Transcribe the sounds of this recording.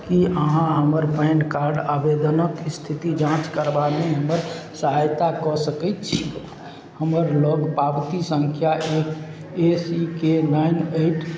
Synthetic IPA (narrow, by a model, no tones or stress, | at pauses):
kiʔəɦãɦəməɾpɛːnkaɾɖabed̪ənəkst̪ʰit̪id͡ʒãt͡ʃkəɾbaneɦəməɾsəɦajt̪akɔsəkɛt̪̚t͡ʃʰi | həməɾləɡpabt̪isə̃ŋkʰjaʔek | esikenaineɪʈʰ